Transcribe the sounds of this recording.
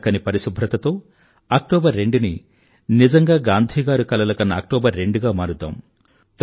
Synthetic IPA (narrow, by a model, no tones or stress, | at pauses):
kɐnipɐɾisubʱɾɐt̪ɐt̪o̞ː | ɐk̚ʈɔːbɐɾːe̞ɳɖuni | nid͡ʒɐŋɡaːɡaːnd̪ʱiːɡaːɾukɐlɐlɐkɐnːɐːk̚ʈɔːbɐɾːe̞ɳɖuɡaːmaːɾud̪ːa̰ːm | t̪